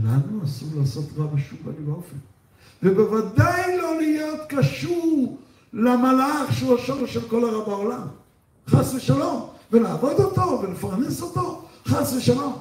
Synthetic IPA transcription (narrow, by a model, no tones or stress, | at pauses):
naχnuasuʁlaːso̞t̪ʁavaʃuvalibaofen | vebe̞vad̪ajlo̞lijo̞t̪kaʃuʁ | lamalaχʃeuaʃoʁʃelko̞laʁabaolam | χasleʃalo̞mvelaːvo̞d̪ot̪o̞velefaʁneso̞t̪o̞χasleʃalo̞m